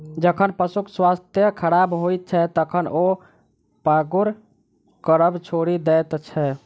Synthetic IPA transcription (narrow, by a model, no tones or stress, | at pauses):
d͡ʒəkʰənpəsukʰswast̪jəkʰəɾabɦojt̪̚t͡ʃʰɛt̪əkʰənʔo | paɡuɾ | kəɾəbt͡ʃʰoɽid̪ɛt̪t͡ʃʰɛ